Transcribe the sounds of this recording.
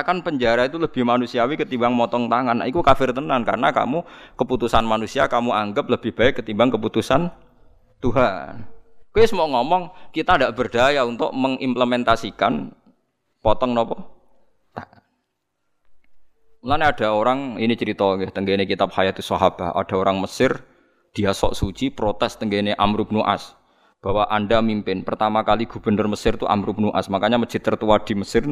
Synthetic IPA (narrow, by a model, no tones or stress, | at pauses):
akanpəɲd͡ʒaɾait̪uləb̥ɪhmanusiawikət̪imbaŋmɔt̪ɔŋt̪aŋanːa̰ʔikukafɪrt̪ənanka̰rənaka̰mukəput̪usanmanusiakamuaŋɡəp̚ləb̥ɪhb̥aɪʔkːət̪imbaŋkəput̪usan | t̪uɦa̰nkuisəmɔŋɔmɔŋkit̪andaʔb̥ərd̥ajaunt̪ʊ̰ʔməŋimpləmɛnt̪asikan | pɔt̪ɔŋnɔpɔ | t̪aʔ | lanad̥a̤oɾaŋinit͡ʃəɾit̪ɔɡɛt̪əŋɡenekit̪ap̚hajat̪usaɦab̥a̤hʔa̰d̥a̤oɾaŋməsɪr | d̪̥iasɔ̰ʔsut͡ʃipɾot̪ɛst̪əŋɡeneʔamɾup̚nuʔa̰s | b̥a̤waʔandamimpɪnpərt̪amakaliɡ̥ṳb̥ə̤nərməsɪrt̪uʔa̰mɾup̚nuʔa̰smakaɲaməd͡ʒ̥i̤t̪ərt̪uwad̥i̤məsɪr